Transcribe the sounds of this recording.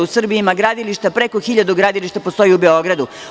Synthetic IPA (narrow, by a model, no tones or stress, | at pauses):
usr̩bimaɡɾaːd̪iliʃt̪apɾe̞koxiʎad̪uɡɾaːd̪iliʃt̪apo̞st̪o̞jiubeo̞ɡɾad̪u